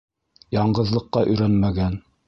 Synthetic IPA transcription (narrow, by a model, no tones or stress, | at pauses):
jɑɴɢɤ̆ðlˠɤ̆qːɑʔɵ̆jɾænmæɡæn